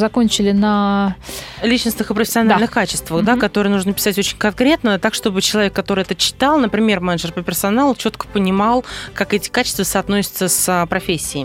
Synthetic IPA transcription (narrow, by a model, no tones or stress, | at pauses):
zɐkonʲt͡ɕɪlʲɪnə | lʲit͡ɕnəsnɨxɨpɾəfʲɪ̥sʲɪɐnalnɨxkat͡ɕɪst̪vəxd̪akɐt̪o̞ɾɨjənuʐnəpʲɪ̥satʲo̞t͡ɕɪnʲkɐnkɾʲe̞t̪nət̪akʂt̪o̞bɨt͡ɕɪlˠɐvʲekːɐt̪o̞ɾɨjɛt̪ət͡ɕːɪ̥t̪ɑlˠnəpɾʲɪmʲe̞rmɛnəʐɨrpəpʲɪrsɐnalˠt͡ɕo̞t̪kə̥pənʲɪmɑlˠkakɛtʲɪ̥kat͡ɕɪ̥st̪vəsɐːt̪no̞sʲɪ̥t̪səsəpɾɐfʲesʲːɪː